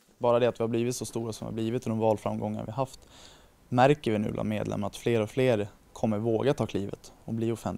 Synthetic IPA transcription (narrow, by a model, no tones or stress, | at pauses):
bɑːɾad̪ɛat̪vɪhabliːvɪt̪sɔst̪uːɾasɔmvɪ̰ha̰bliːvɪt̪ʰːɔd̪ɔmvɑːlfɾamɡɔŋːa̰ɾvɪaɦaft̪ | mæɾkəɾvɪnʉ̟ːbla̰nmeːd̪lɛ̰mːaɾat̪fleːɾɔfleːɾ | kʰɔmːəɾvoːɡat̪ʰɑːkʰliːvə̰t̪ɔbliːɔfɛnt̪